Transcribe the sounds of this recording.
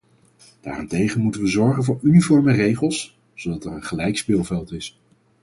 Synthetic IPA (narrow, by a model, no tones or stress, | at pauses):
d̥a̰ːrɪntejχənmutənʋəzɔɹχənvʊːɹynifɔɹmərejχəlˠs | zowdɑtɛɹənχəlɛjkspɪːlˠvɛlˠtɪs